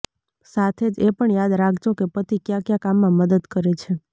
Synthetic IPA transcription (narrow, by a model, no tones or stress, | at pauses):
sat̪ʰed͡ʒepəɳjad̪ɾakʰd͡ʒokepət̪ʰikjãkjãkamːãməd̪əd̪kəɾet͡ʃʰe